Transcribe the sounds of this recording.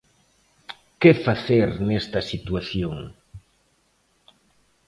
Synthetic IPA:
kefaθeɾnest̪asit̪waθjoŋ

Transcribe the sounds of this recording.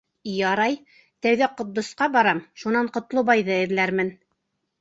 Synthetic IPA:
jɑɾɑj | t̪æwðæqŏt̪̚d̪ŏsqɑbɑɾɑmʃunɑɴqŏt̪lˠɤbɑjðɤɘ̆ðlæɾmɘn

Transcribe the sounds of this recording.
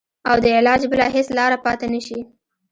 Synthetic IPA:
awd̪əɪlɑd͡ʒbəlɑɦeslɑɾapɑt̪anaʃi

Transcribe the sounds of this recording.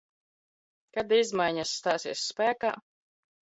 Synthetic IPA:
kad̪izmajɲasːt̪aːsiɛsːpæːka̰ː

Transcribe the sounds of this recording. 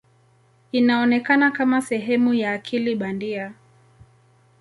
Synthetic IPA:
inaɔnɛkanakamasɛɦɛmujaːkʰiliɓandia

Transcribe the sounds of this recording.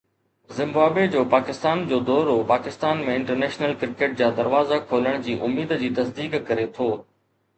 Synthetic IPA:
zɪ̃mbaːbed͡ʑoːpaːkɪst̪aːnd͡ʑoːd̪ɔːɾopaːkɪst̪aːnmẽɪ̃ɳʈəɾnɛːʃnəlkɪɾɪkeːʈ̚d͡ʑaːd̪ɐɾʋaːzakʰoːləɽ̃d͡ʑiːʔʊmːiːd̪d͡ʑiːt̪ɐsd̪iːkkɐɾet̪ʰoː

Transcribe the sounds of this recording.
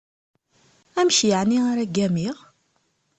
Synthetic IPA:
æmʃjəʕniaɾæɡæmiʁ

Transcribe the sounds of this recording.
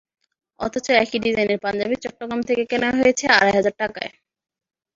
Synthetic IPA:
ɔ̰t̪ʰot͡ɕoɛkiɖizajneɾpand͡ʑabit͡ɕɔʈːoɡɾamt̪ʰekekenaɦojet͡ɕʰea̰ɾajɦad͡ʑaɾʈaka̰e

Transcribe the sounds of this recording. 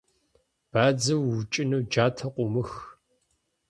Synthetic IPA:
b̥aːd͡zɐwːʊt͡ʃʼɪnɐwd͡ʒaːtʰɐqʷʊmɨx

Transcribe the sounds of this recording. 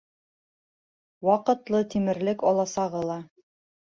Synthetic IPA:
wɑqɤ̆t̪lˠɤt̪imɘ̆ɾlɘkɒlˠɑsɑʁɤlˠɑ

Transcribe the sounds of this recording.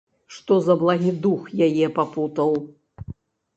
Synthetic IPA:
ʂt̪ɔzɐblˠaɦʲid̪uxjajɛpaput̪ɐw

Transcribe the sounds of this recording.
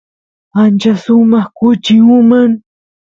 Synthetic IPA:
ant͡ʃasʊmɑχkʊt͡ʃiumaŋ

